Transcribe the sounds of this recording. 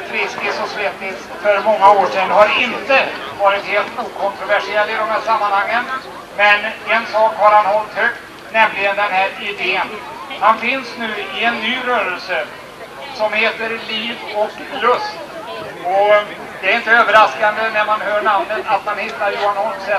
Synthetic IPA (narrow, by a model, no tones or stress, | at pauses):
fɾɪsk̪ɪsɔsvɛt̪ːɪt̪ | fœɾmɔŋːaoːʂɛnːhaɾɪnt̪ə | vɑːɾɪt̪heːlt̪uːkʰɔnt̪ɾʊvæʂɪɛlːɪd̪ɔmhæːʂamːanhaŋːən | mɛnɛnsɑːkhaɾhanhɔlt̪høkt̪ | nɛmlɪɡənd̪ɛnhæːɾɪd̪eːn | hanfɪnsnʉ̟ːɪɛnːyːɾœːɾəlsə | sɔmheːt̪əɾliːvɔk | lɵst̪ | ɔ | d̪ɛæɾɪnt̪əøːvəɾaskand̪ənæɾmanɦœːɳamnət̪at̪manhɪt̪ːaɾjnɔnsɛ